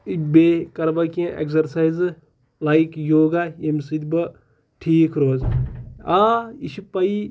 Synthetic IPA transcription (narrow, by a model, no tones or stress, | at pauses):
ibeːkɐɾbɐkiẽʔḛkzɐɾsajz | lajkjoːɡaemsit̪bɐ | ʈʰiːkʰɾoːzaiʃipɐi